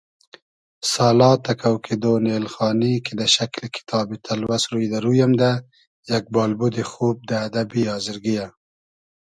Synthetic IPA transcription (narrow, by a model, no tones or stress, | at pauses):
sɑːlɑt̪akʰawkʰed̪onelxɑːniked̪əʃaklekʰɪ̥t̪ʰɑːbit̪ʰalwasɾujd̪aɾujamd̪a | jak̚bɑːlbud̪exob̚d̪əːd̪abiɑːzɪɾɡija